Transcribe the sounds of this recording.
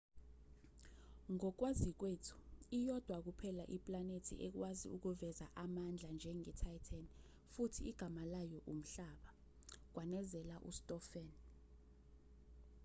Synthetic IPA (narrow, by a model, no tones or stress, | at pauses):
ŋɔk̬wazik̬weːtʰu̥ijɔd̥ʱwak̬upʰɛlaʔipʼlanetʰḭʔɛk̬wazḭʔuk̬uvɛzaʔamand͡ɮʱand͡ʒʱɛŋɛtʰajtʰan | futʰiːɡ̥ʱamalajɔʔum̩ɬaɓa | k̬wanɛzɛlaʔṵstʼɔfɛn